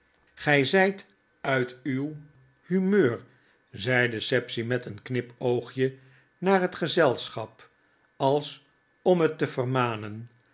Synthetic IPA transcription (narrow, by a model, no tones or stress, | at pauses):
χɛjzɛjt | œɥtyw | hymøːɹ | zɛjdəsɛpsimɛtənknɪpowχjə | naːɹɦətχəzɛlˠsχɑp | ɑlˠs | ɔmɦətːəvərmaːnən